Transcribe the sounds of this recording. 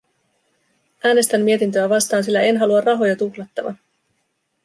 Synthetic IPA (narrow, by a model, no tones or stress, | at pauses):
ʔæːne̞st̪æmːie̞t̪int̪̬øæʋɑst̪ɑːnsilːæe̞nɦɑluɑrrɑɦo̞jɑt̪uxlɑt̪ːɑʋɑ̰